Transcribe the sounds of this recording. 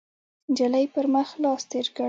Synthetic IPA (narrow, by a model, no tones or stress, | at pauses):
d͡ʒalajpəɾməxlɑst̪eɾkə